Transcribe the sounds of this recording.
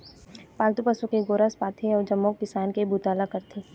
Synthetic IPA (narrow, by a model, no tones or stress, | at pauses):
paːlt̪upəsukeɡoːɾaspaːt̪ʰiɔːɾd͡ʒɐmːokːɪsaːnkebʱuːt̪aːlakɐɾt̪ʰeː